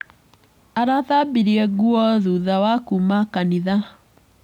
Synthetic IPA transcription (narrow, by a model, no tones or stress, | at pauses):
aɾaðabiɾiɛɡuɔðuðawakumakaniða